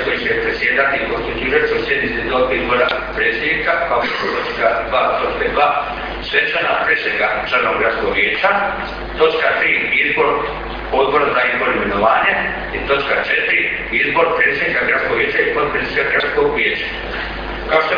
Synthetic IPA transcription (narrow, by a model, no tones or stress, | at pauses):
kojisuepɾet̪sʲje̞d̪at̪ipost̪ud͡ʒ̪iːʒet͡ʃ̪eusje̞d̪nit̪sid̪obizbo̞ɾapɾeːt̪sjed̪nikapaobet̪ot̪o̞t͡ʃkad̪ʋaːt̪o̞t͡ʃkad̪ʋaː | sʋet͡ʃanapɾesʋeɡat͡ʃlaɾnoaɡɾat̪sko̞ɡʋjeːt͡ʃa | t̪o̞t͡ʃkat̪ɾiːizbo̞ɾ | pod̪̚bo̞ɾazaizbo̞ɾimenoʋaːɲa | it̪o̞t͡ʃkat͡ʃet̪ɾi | izbo̞ɾpɾet̪sʲed̪nikaɡɾat̪skoɡʋjeːt͡ʃaipod̪̚pɾinikaɡɾat̪sko̞ɡʋʲjeːt͡ʃḁ | kaoʃt̪o